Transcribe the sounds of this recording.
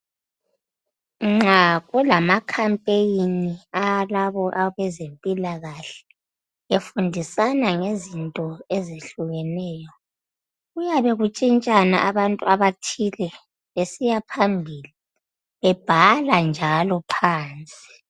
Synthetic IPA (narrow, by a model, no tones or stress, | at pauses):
ŋ͡ǁaɣulamakʰampʼejinialaβɔʔaβɛzempʼilaɣaɬɛ̥ | efundʱisanaŋezintʼɔezeɬuɣɛnɛːjɔ | ɣujaβɛɣut͡ʃʼint͡ʃʼana̰ʔaβantʼuaβatʰilɛ | βesijapʰambʱiːli | βɛb̥ʱaland͡ʒʱalɔpʰaːnt͡sʼi̥